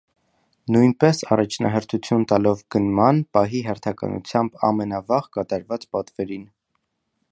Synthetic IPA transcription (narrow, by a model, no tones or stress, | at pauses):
nujnpɛsɑ̰rɑt͡ʃʰnɑ̰ɦəɾt̪ʰut͡sʰjunt̪ɑlɔvɡənmɑnpɑɦiɦɛɾt̪ʰɑkɑ̰nṵt͡sʰjɑmbɑ̰mɛnɑvɑʁkɑt̪ɑɾvɑt͡spɑt̪vɛɾin